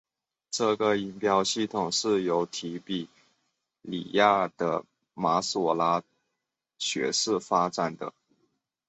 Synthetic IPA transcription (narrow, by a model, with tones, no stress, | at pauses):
ʈ͡ʂɤ˥˩ɡə˩i˧˥npjɑ˥ʊɕi˥˩t̪ʰʊ˨˩ŋʂɻ̩˥˩jo˧˥ʊt̪ʰi˧˥pi˨˩ | lḭ˨˩ja˥˩d̪̥ə̰˧ | ma˧˥sɔ˨˩la˧˥ | ɕɥɛ̰˧˥ʂɻ̩˥˩fa˥ʈ͡ʂa˨˩nd̪ə̰˩